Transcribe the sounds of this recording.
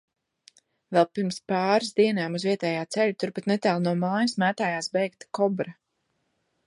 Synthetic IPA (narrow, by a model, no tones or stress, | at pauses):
vɛlˠpiɾmspɑːɾsd̪iɛnaːmuzviɛt̪ɛːjaːt̪sɛʎut̪uɾpat̪nɛt̪æːlˠnuɔmaːjsmæːt̪aːjaːsbɛjkt̪kɔbɾa